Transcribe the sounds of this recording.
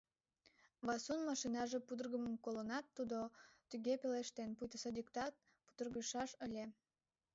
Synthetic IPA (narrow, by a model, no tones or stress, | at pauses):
βɑsunmɑʃinɑʒepud̪ərɣəməmkolənɑt̪ːud̪ot̪yɣepeleʃt̪enpujt̪əsod̪ʲikt̪ɑt̪̚ | pu̥t̪ərɣəʃɑʃəlʲe